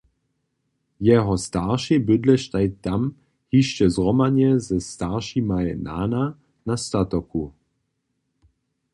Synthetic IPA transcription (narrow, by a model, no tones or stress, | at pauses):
jɛɦɔst̪aʁʃibʏdlɛʃt̪ajttːam | hiʃt͡ʃɛzʁɔmanjɛzɛst̪aʁʃimajna̰ːna | nast̪at̪ɔku